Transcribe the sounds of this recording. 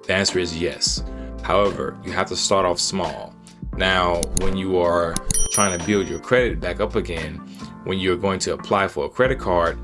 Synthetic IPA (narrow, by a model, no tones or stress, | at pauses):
ðiæ̃nsə˞ɨzjɛ̰shaʊɛvə̰˞jɨɦæftəstɑɹɾɔfsmɔ̰lˠ | naʊwə̃njɨə˞tʰɹ̥aɪɪ̃ŋtʰɨbɪlˠdjə˞kʰɹ̥ɛɾɨt̚b̥ækʌpɨɡɛ̃nwə̃njɨː˞ɡoʊɪ̃ŋtʰɨːpʰl̥aɪfə˞əkʰɹ̥ɛɾɨt̚kʰɑɹd̥̚